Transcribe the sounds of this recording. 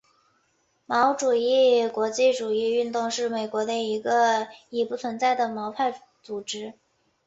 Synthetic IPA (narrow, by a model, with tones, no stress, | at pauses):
mɑ˧˥ʊʈ͡ʂu˨˩i˥˩kwɔ˧˥t͡ɕi˥˩ʈ͡ʂu˨˩i˥˧y˥˧nt̪ʊ˥˧ŋʂɻ̩˥˩me˨˩ɪkwɔ˧˥d̪ə˧i˧˥ɡə˧i˨˩pu˥˩t͡sʰwə˧˥nt͡sa˥˩ɪd̪ə˩mɑ˧˥ʊpʰa˥˩ɪ | t͡su˨˩ʈ͡ʂɻ̩˧˥